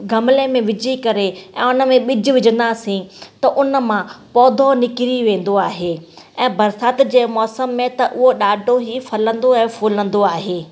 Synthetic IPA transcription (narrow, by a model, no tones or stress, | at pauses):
ɡʱɐmlemẽʋɪd͡ʑʱikɐɾeɛ̰̃ːʊnə̆mẽɓɪd͡ʑʱɪ̆ʋɪd͡ʑə̃nd̪asĩt̪ɐʔʊnə̆mãpɔːd̪ʱonɪkɪɾiʋẽːn̆d̪oaːɦeː | ɛ̃ːbɐɾsaːt̪d͡ʑeːmɔːsəmːẽt̪ɐʔʊɦoɗaːɖʱoɦifʰɐlə̃nd̪oɛ̃ːfuːlə̃nd̪oaːɦeː